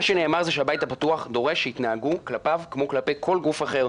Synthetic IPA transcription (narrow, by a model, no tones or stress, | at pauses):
aʃeneːmaʁzeʃeabajthapatuaχd̪o̞ʁe̞ʃeitnaaɡuklapavkmo̞klape̞jkʰo̞lɡufaχe̞ʁ